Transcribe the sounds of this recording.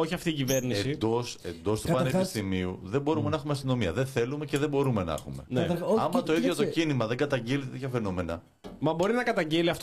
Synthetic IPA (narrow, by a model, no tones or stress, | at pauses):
oçiɐft̪iːciveɾniseid̪o̞se̞nd̪o̞st̪upɐnepist̪imiuðembo̞ɾume̞nɐxumeɐst̪ino̞miɐ̰ðe̞nθe̞lume̞ceðe̞bo̞ɾume̞nɐ̰xume̞nɐmɐt̪o̞iðʝot̪ocinimɐðeŋɡɐt̪ɐɲɟilit̪et̪et̪çɐfe̞nome̞nɐ | mɐbo̞ɾinɐkɐt̪ɐɲɟeliɐft̪